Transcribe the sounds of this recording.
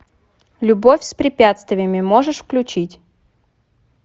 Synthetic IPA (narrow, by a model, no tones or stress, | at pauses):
lʲʊbofʲspɾʲɪpʲat̪st̪vʲɪjəmʲɪmoʐɨʂfklʲʉt͡ɕitʲ